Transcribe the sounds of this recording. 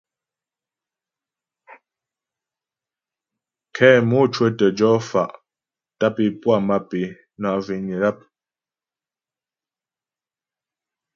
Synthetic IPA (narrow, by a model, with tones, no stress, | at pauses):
kʰɛː˦mo˦t͡ʃwə˦tə˨d͡ʒɔ˨˦fa̰˨ʔ | ta˦pi˨pwa˦˨ma˦pe˨˦ | na˨vi˨ɲi˨ɾa˦˨p̚